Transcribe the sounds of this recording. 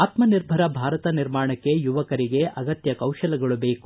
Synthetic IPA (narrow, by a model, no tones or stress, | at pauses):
aːt̪mɐniɾbʱɐɾɐbʱaːɾɐt̪ɐniɾmaːɳɐkːe̞juʋɐkɐɾiɡe̞ʔɐɡɐt̪jɐkɐwʃɐlɐɡɐɭube̞ːku̥